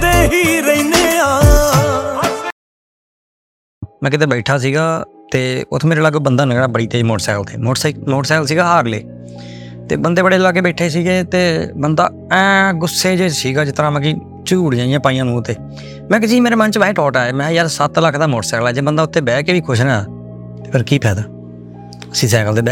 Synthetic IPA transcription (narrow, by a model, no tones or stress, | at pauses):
d̪eːɦiːɾəiːneːaː | mɛ̃ːkɪt̪̬eːbɛːʈʰaːs̬iːɡaːt̪eːʊ̰t̪ʰːmeːɾeːləɡbənd̪aːnəkɽaːbəɽiːt̪eːd͡ʒimoːʈsɛ̰ːkəlt̪ʰḛːmoːsmoːʈsɛːkəlsiːɡaːɦaːɾlḛː | t̪ḛːbənd̪eːbəɽeːlaːk̬eːbɛːʈʰːeːs̬iːɡeːt̪eːbənd̪a̰ː | ɛ̃ːɡʊsːeːd͡ʒeːsiːɡaːd͡ʒɪt̪ːəɾãːmɛ̃ːk̬i | t͡ʃuuːɽd͡ʒãːjãːpaːɪjãːnũːt̪eː | mɛ̃ːk̬ɪsiːmeːɾeːmənt͡ʃʋɛːʈɔːʈaːeːmɛ̃ːjaːɾsət̪ləkʰd̪aːmoːʈsɛːkəlaːd͡ʒeːbənd̪aːʊt̪ʰːeːbɛːkeːʋiːkʰʊʃnaːaː | t̪eːpʰəɾkiːpʰɛːd̪aː | əsĩːsɛːkəlt̪eːbɛː